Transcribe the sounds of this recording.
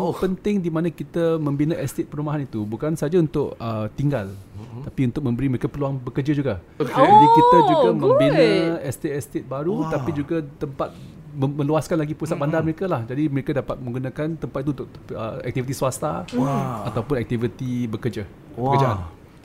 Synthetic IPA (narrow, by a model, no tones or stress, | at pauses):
pənt̪ɪŋdimãnãkit̪əmə̃mbinaʔɛst̪et̪̚pəɾumaɦanit̪ubukansad͡ʒaunt̪ʊkət̪iŋɡalapiunt̪ʊk̚mə̃mbəɾiməɾekapəluaŋbəkəd͡ʒəd͡ʒuɡa | d͡ʒadikit̪ad͡ʒuɡamə̃mbinəɛst̪et̪ɛst̪et̪̚baɾut̪apid͡ʒuɡat̪əmpat̪̚ | məmə̃luaskanlaɡipusat̪̚bandarməɾekalahd͡ʒadiməɾekadapat̪̚mə̃ŋɡunãkant̪əmpat̪̚it̪unt̪ʊkəɛk̚t̪ivit̪isuast̪a | at̪awpʊnɛk̚t̪ivit̪ibəkəd͡ʒə | pəkəd͡ʒaan